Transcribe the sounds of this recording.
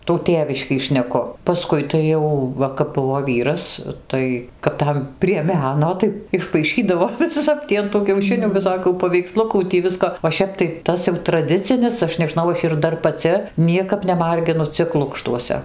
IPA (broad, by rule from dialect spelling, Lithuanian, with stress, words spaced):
tuː ˈtʲeːʋʲɪʃʲkʲiː ʃʲnʲɛˈkʊ pɐˈskʊɪ tɐɪ ˈjɛʊ ˈʋɐ kɐp ˈbʊʋoː ˈʋʲiːrɐs ˈtɐɪ kɐp ˈtɐm pʲrʲiɛ ˈmʲæːnoː tɐɪ ɪʃpɐɪˈʃʲiːdɐʋoː ʋʲɪˈsɐp tʲiː ɐn tuː kʲɛʊˈʃʲɪnʲuː ʋʲɪˈsoːkʲuː pɐʋʲɛɪkˈslˠʊkuː tʲiː ˈʋʲɪskoː oː ˈʃʲɛp tɐɪ ˈtɐs jɛʊ trɐˈdʲɪt͡sʲɪnʲɪs ˈɐʃ nʲɛˈʒnɐʊ ˈɐʃ ɪr ˈdɐr pɐˈt͡sʲɪ ˈnʲiɛkɐp nʲɛˈmɐrʲɡʲɪnʊ ˈt͡sʲɪk ˈlˠʊkʃtuɔsʲɛ